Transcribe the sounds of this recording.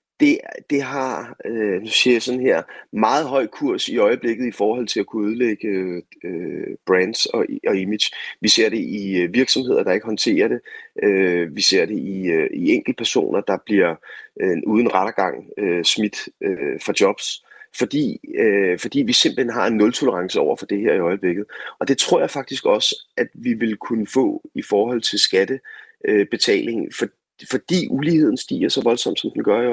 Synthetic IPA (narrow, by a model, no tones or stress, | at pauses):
d̥e̝d̥e̝ɦɑ̈ønusesɔ̽nɦeɐ̰mɑ̈ːð̞̩ˠɦɒ̽ɪ̰kʰuɐ̰siɒ̽ɪəb̥le̝ɡ̥ð̞̩ˠifɒːhɒ̽l̰t͡sʰe̝lækʰuuð̞ˠleɡ̥əøb̥ʁænd̥sɒ̽ɒimid̥ɕʋise̝ɐ̰ɾ̥e̝ʔiʋiɐɡ̥sɒ̽mhe̝ð̞̰ˠɐɾ̥ɑ̈e̝ɡ̥əɦɒ̽nt͡sʰe̝̰ːɐɾe̝ʔøʋise̝ɐ̰ɾ̥e̝ʔiøieŋ̰ɡ̥l̩d̥̚əpʰæɐso̝̰ːnɐd̥ɑ̈b̥liɐeʔuːð̞ˠn̩ʁɑɾ̥ɐɡ̥ɑ̈ŋ̰øsmid̥øfʁɑ̈d̥jɒ̽b̥sfɒ̽d̥ḭːøfɒ̽d̥ḭːʋise̝mb̥l̩henɦɑ̈e̝nːɔ̽lt͡sʰo̝ləʁɑ̈ŋsəɒʊɐfɒ̽d̥e̝heɐ̰iɒ̽ɪb̥le̝ɡ̥ð̩ˠʔɒ̽d̥e̝t͡sʰʁo̝ɐ̰jɑ̈ɪfɑ̈ɡ̥̚d̥isɡ̥ɒ̽sʔæd̥ʋiʋe̝lkʰunəfɔ̰̽ːifɒːhɒ̽l̰t͡sʰe̝lsɡ̥æd̥ə | øb̥e̝t͡sʰɛ̰ːle̝ŋ̩fɒ̽ | fɒ̽d̥ḭːʔulihe̝ð̰ˠn̩sd̥ḭːɐsɒ̽ʋɒ̽lsɒ̽m̰d̥sɒ̽md̥enɡ̥ɶɐjo